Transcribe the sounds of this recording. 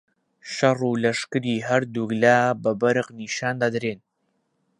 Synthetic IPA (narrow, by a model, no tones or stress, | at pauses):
ʃɐruːlɐʃkɨɾiːɦɐɾd̪uɡlaːbɐbɐɾɨqniːʃaːnd̪ad̪ɾeːn